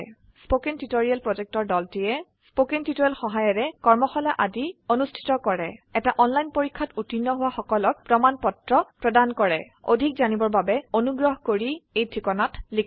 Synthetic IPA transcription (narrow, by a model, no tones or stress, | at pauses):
spokentitoɹialpɹɔzɛk̚tɔɹdɔltijɛspokentitoɛlxɔɦajɔɹɛkɔɹmɔxɔlaʔadionustʰi̥tɔkɔɹɛɛtaʔɔnlajnpoɹikʰːatutinːɔɦʊwaxɔkɔlɔk̚pɹɔmanpɔtɹɔpɹɔdankɔɹɛ | o̰dʱik̚zanibɔɹbabɛonuɡɹɔɦkoɹiejtʰikɔnatlikʰ